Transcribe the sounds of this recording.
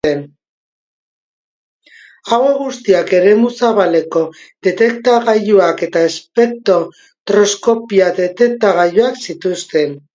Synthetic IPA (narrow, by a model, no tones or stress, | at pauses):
en | aweɣust̪iake̞ɾe̞musaβale̞ko̞ðe̞t̪e̞kt̪aɣajuake̞t̪aespe̞t̪o̞ | t̪ɾo̞sko̞piaðe̞t̪e̞k̚t̪aɣ̞ajuaksit̪ust̪e̞n